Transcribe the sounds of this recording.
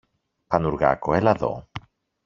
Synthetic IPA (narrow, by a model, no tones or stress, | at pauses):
pɐnuɾɣa̰koelɐðo̰